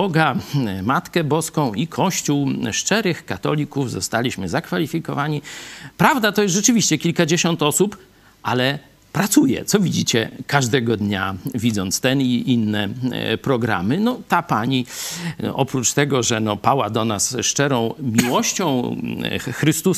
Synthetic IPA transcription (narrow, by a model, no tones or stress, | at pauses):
ɔɡamat̪kɛbɔskɔ̃w̃ikʰɔɕt͡ɕuwʂt͡ʂɛɾɘxkat̪ɔlʲikuvzɔst̪alʲiɕmɘzakfalʲifʲikɔvaɲipɾavd̪at̪ɔjɛst̪ʐɛt͡ʂɘvʲiɕt͡ɕɛkʲilkad͡ʑeɕɔnt̪ɔsup | ʔalɛ | pɾat̪sujɛ̰t̪sɔvʲid͡ʑit͡ɕɛkaʐd̪ɛɡɔd̪ɲavʲid̪zɔnt̪st̪ɛniʔinːɛpɾɔɡɾa̰mɘnɔt̪apaɲi | ʔɔpɾut͡ʂt̪ɛɡɔʐɛnɔpawad̪ɔnasʂt͡ʂɛɾɔ̃w̃mʲiwɔɕt͡ɕɔ̃w̃ | xɾɘst̪us